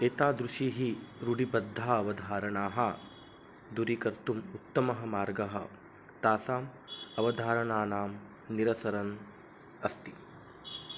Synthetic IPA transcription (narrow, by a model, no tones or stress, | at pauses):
eːt̪aːd̪ɾuʃiːɦiɾuɖibɐd̪ʱːaːɐʋɐd̪ʱaːɾɐɳaːɦɐ | d̪uɾikɐɾt̪umut̪ːɐmɐɦɐmaːɾɡɐɦɐ̰ | t̪aːsaːm | ɐʋɐd̪ʱaːɾɐɳaːnaːm | niɾɐsɐɾɐn | ɐst̪i